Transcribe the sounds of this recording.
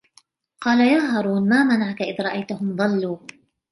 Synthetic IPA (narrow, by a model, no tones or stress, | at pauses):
qɑːlajaːɦɑɾˤuːnmaːmanaʕkaʔɪðɾˤɑʔajt̪aɦʊmðˤɑlːuː